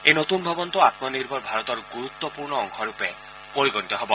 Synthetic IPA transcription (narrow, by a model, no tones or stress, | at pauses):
ejnot̪unbʱɔbɔnt̪uat̪mɔniɾbʱɔɾbʱaɾɔt̪ɔɾɡuɾut̪ːɔpuɾɳɔːŋkʰɔɾupe | poɾiɡɔnit̪ɔɦebɔ